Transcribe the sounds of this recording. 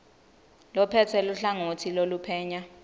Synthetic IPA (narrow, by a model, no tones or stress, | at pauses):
lɔpʰɛtʰɛluɬaŋotʰilolupʰɛːɲa